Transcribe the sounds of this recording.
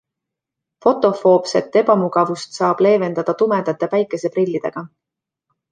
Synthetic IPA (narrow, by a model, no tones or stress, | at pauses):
fo̞t̪ːˑo̞fo̞ːbse̞t̪ːe̞bɑmuɡ̥ɑvust̪sɑːb̥le̞ːve̞nd̪ɑd̪̥ɑt̪ume̞d̪̥ɑt̪ːˑepæjkːˑe̞se̞prilːid̪̥e̞ɡ̥ɑ